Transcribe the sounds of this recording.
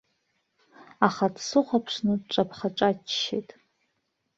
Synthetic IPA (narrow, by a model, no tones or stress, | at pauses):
aχadsɨχʷapʰʂnɨʈ͡ʂʼapʰχaʈ͡ʂʼat͡ʃʃḛtʼ